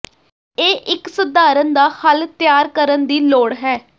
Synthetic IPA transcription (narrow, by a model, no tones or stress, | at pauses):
eːʔɪksəd̪aːɾənd̪aːhəlt̪ɪjaːɾkəɾənd̪iːloːɽɦɛː